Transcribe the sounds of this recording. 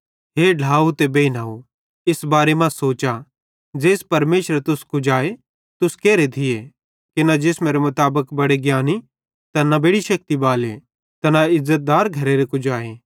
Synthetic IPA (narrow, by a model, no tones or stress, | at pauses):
ɦeːɖʱaːut̪ebeːinaːo | ɪsbaːɾemãsoːt͡ʃa | d͡ʒeːspɐɾmeːʃəɾt̪ʊskʊd͡ʒaːe | t̪ʊskɛːɾet̪ʰɪe | kinad͡ʒeːsmeːɾemʊt̪aːbəkbɐɽeɡjaːni | t̪ɐnabeːɽiʃɐk̚t̪ibaːle | t̪ɐnaɪzːət̪̚d̪aːɾɡʱɐɾeɾekʊd͡ʒaːeː